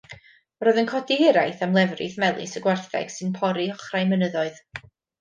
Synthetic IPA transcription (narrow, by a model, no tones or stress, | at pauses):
rɔɨðənkʰɔdiɪɾajθamlˠɛvrɪ̰θmɛlˠɨ̰səɡwarθɛ̰ɡ̥sɨnpʰɔɾiɔχrajmənəðɔɨð